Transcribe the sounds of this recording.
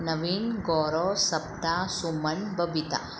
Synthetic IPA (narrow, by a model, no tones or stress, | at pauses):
nɐʋiːnɡoːɾoːsɐp̚t̪aːsumɐnbʱɐbʱit̪a̰